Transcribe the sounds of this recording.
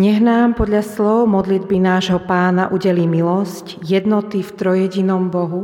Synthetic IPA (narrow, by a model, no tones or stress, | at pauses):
ɲɛɦnaːmpɔd̪ʎaslɔʊmɔd̪lid̪binaːʒɦɔpaːnaʔuɟɛliːmilɔsc | jɛd̪nɔt̪ift̪ɾɔjɛɟinɔmbɔɦu